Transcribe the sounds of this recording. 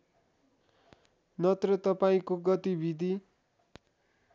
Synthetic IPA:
nʌt̪rʌt̪ʌpaĩkoɡʌt̪ibid̪ʱi

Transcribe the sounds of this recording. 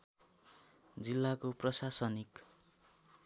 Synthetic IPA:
d͡zilːakoprʌsasʌnik

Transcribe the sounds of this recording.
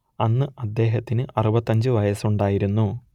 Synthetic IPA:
ɐnːɨʔɐd̪ːe̞ːɦɐt̪ːinɨʔɐrubɐt̪ːɐɲd͡ʑɨʋɐjɐsuɳɖaːjiɾunːu

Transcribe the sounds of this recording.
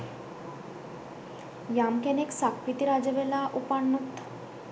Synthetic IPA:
jamkeneksakʰɾit̪iɾad͡ʑeʋelaʔupaɳːut̪

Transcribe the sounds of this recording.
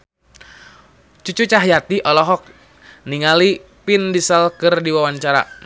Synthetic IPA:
t͡ʃut͡ʃut͡ʃaɦjat̪iʔɔlɔɦɔk̚ | niŋali | pindisalkɨrdiwawaɲt͡ʃaɾa̰

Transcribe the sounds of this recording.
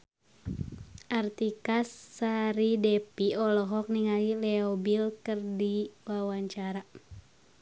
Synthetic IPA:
ʔart̪ikasːaɾidɛpiɔlɔɦɔk̚niŋalilɛɔbilkɨrdiwawaɲt͡ʃaɾa

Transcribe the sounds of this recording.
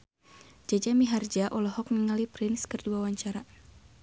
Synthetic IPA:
d͡ʒad͡ʒamiɦard͡ʒaʔɔlɔɦɔk̚niŋalipɾɪnskərduawaɲt͡ʃaɾa

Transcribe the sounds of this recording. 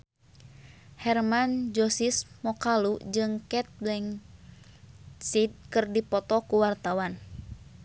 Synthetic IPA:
hɛrmand͡ʒɔsismɔkalud͡ʒɨŋkɛt̪̚blɛŋ | sit̪̚kɨrdipɔt̪ɔkuwart̪awan

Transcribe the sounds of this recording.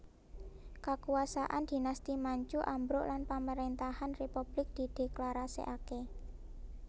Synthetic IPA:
kakuasaʔand̪̥i̤nast̪imaɲt͡ʃuʔambɾʊʔlanpaməɾent̪ahanrepub̥lɪk̚d̪̥i̤d̪̥e̤klaɾasḭʔake

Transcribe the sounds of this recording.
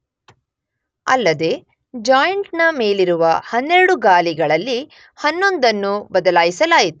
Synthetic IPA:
ɐ̰lːɐd̪e̞ | d͡ʒaːjɐɳʈnɐme̞ːliɾuʋɐhɐnːeɾɐɽuɡaːliɡɐɭɐlːi | hɐnːo̞nd̪ɐnːubɐd̪ɐlaːjisɐlaːjit̪u̥

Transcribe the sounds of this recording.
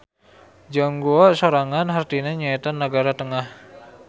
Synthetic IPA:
d͡ʒaŋɡuɔʔsoɾaŋanɦart̪ineɲait̪anːəɡaɾat̪əŋah

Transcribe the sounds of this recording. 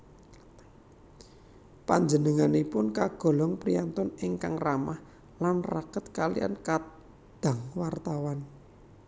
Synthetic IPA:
paɲd͡ʒənəŋanepʊnkaɡ̥o̤lɔŋpɾijant̪ʊnɪŋkaŋramah | lanrakət̪kalḭja̰nka | d̪̥a̤ŋwart̪awan

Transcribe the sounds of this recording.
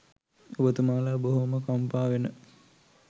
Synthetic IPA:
obət̪umaːlabəɦoməkampaːʋenə

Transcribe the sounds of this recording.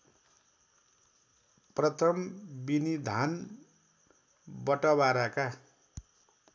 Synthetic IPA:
prʌt̪ʰʌmbinid̪ʱan | bʌʈʌβaɾaka

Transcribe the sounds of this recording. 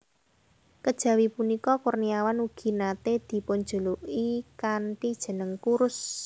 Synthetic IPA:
kəd̥ʒ̥ä̤wipunikɔkʊrniawanuɡ̥i̤nat̪ed̪̥i̤poɲd͡ʒṳluʔikaɳʈid̥ʒ̥ə̤nəŋkuɾʊs

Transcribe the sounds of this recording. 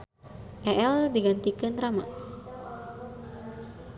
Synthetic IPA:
ʔɛʔɛldiɡant̪ikanrama̰

